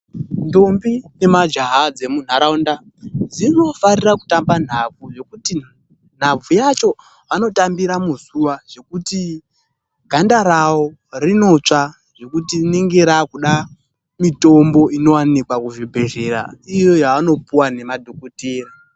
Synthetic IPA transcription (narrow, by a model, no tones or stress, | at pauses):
ndombine̞mad͡ʒaɦad͡ze̞mun̤aɾaunda | d͡zino̞farirakutamban̤ab͡vuʐe̞kuti | n̤ab͡vujat͡ʃo̞ | ʋano̞tambiɾamusuwaʐ̥e̞kuti | ɡʱandaɾawo̞ | rino̞t͡ʂa | ʐe̞kutiniŋɡeɾakuɗa | mito̞mbo̞ino̞wanikwakuʐibʱeʒe̞ɾa̰ijo̞jaːno̞puwane̞madʱokutiːra